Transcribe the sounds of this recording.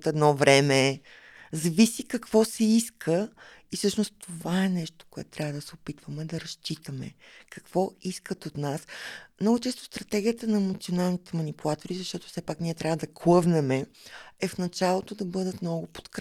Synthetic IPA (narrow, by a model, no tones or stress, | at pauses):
t̪ɛd̪nɔvɾɛmɛ | zɐvisikɐkv̥ɔsɛiskʰəisɤʃnost̪ovaɛnɛʃt̪o̥koɛt̪ʊ̥t̪ɾʲavəd̪ɐsɛopit̪vəmɛd̪ɐɾɐʃt͡ʃit̪əmɛ̰kɐ̥kv̥ɔiskət̪ot̪nasmnɔɡʊt͡ʃɛst̪o̥st̪ɾɐt̪ɛɡʲijət̪ənɐɛmot̪sionalˠnit̪ɛmɐnipulˠat̪oɾizɐʃt̪ɔt̪o̥fsɛpakniɛt̪ɾʲavəd̪ɐklˠɤvnɛmɛɛfnɐt͡ʃalˠot̪od̪ɐbɤd̪ət̪mnɔɡʊpo̥t̪kɾ